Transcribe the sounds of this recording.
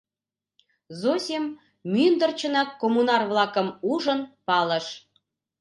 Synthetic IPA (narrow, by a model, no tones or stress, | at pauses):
zosʲem | mynd̪ərt͡ɕə̆nɑkːomunɑrβlɑkəmuʒə̆npɑlə̆ʃ